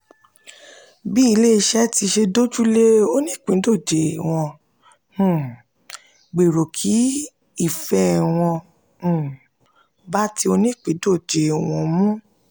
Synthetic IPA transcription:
bi˦i˧˦le˦i˧˦ʃɛ˦ti˧ʃe˧do˦d͡ʒu˦le˦o˦nĩ˦˨k͡pĩ˨˦do˦˨d͡ʒe˨w̃ɔ̃˧ | ũ˨ | ɡ͡be˨ɾo˨kʰi˨˦ | i˦˨fɛ˦˨w̃ɔ̃˧˨ | ba˦ti˧o˧nĩ˦˨k͡pĩ˨˦do˦˨d͡ʒe˨w̃ɔ̃˧mũ˦

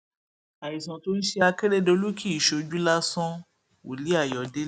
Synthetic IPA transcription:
a˨i˨sã˨to˦n̩˦ʃe˧a˧ke˦ɾe˦do˧lu˦kʰi˦i˨ʃo˧d͡ʒu˦la˦sɔ̃˦ | wo̰˨li˨˦a˦˨jɔ˨de˦

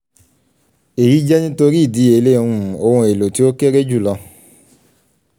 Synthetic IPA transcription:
e˨ɾi˨˦d͡ʒɛ˦nĩ˦to˧ɾi˦˨di˨˦e˨˦le˦˨˧ũ˦˨o˧õ˧e˨lo˨ti˦o˦ke˦ɾe˦d͡ʒu˦˨lɔ˧

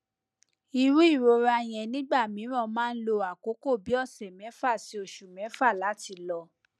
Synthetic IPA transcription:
i˧ɾu˦i˦˨ɾo˧ɾa˧j̃ɛ̃˧˨nĩ˨˦ɡ͡ba˦˨mĩ˨˦ɾ̃ɔ̃˦˨mãː˦˧n̩˦lo˧a˨ko˨˦ko˦˨bi˨˦ɔ˦˨sɛ˨mɛ̃˨˦fa˦˨si˧˦o˧˨ʃu˨mɛ̃˨˦fa˦˨la˨˦ti˧˨lɔ˧

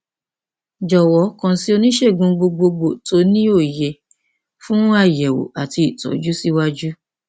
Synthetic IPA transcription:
d͡ʒɔ˨wɔ˨˦kã˧si˦o˧nĩ˦ʃe˦˨ɡũ˧ɡ͡bo˧ɡ͡bo˧ɡ͡bo˨to˨˦nĩ˦o˦˨je˨ | fũ˦a˦˨jɛ˨wo̰˨a˨ti˧i˨tɔ̰˨˦d͡ʒu˦si˦wa˦d͡ʒu˦

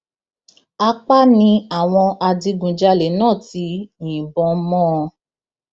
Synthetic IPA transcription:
a˧k͡pa˦nĩ˧a˨w̃ɔ̃˧a˧di˧ɡũ˨˧d͡ʒa˧le˨˦nãː˦˨ti˧˦wĩ˨bɔ̃˧˦mɔ̃˦˧

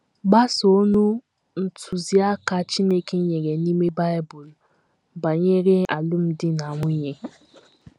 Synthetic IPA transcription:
ɡ͡ba˦so˦nu˦ | n̩˨tʰʊ˨zi˦a˦ka˨t͡ʃi˦ne˦ke˦ɲe˨ɡe˨ni˦me˦ba˦ɪ˦bʊ˨l | ba˨ɲe˦ɾe˦a˨lʊ˦m̩˦dɪ˦na˨ŋʷʊ˦ɲe˦

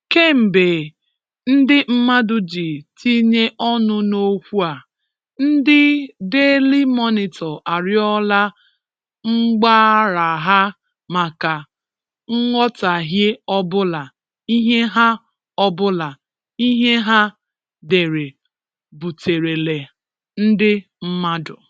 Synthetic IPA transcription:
ke˦m̩˨be˨ | n̩˦dɪ˦m̩˦ma˦dʊ˦d͡ʒi˨tʰi˦ɲe˦ʔɔ˦nʊ˦no˦kʷu˦a˨ | n̩˦dɪ˦de˦li˦mɔ˦nɪ˨tɔ˨ʔa˨ɾɪ˦ɔ˦la˦ | ŋ͡m̩˦ɡ͡baː˦ɾa˨ɦa˦ | ma˨ka˨ | ŋ̩˦ŋɔ˦ta˨ɦɪ˦ɔ˦bʊ˦la˨ | i˦ɦe˦ɦa˦ | ɔ˦bʊ˦la˨ | i˦ɦe˦ɦa˦ | de˨ɾe˨ | bu˨te˨ɾe˨le˨ | n̩˦dɪ˦ | m̩˦ma˦dʊ˨

